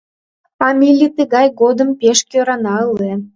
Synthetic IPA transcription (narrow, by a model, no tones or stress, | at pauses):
fɑmʲilʲijt̪əɣɑjɣod̪əmpeʃkʲøɾɑnɑəle